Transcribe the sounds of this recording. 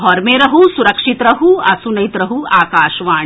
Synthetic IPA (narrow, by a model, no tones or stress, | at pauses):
ɦɔːɾmeɾɐɦusuɾɐkʂit̪ɾɐɦuɐsunɐjt̪ɾɐɦuaːkaːʃʋaːɳ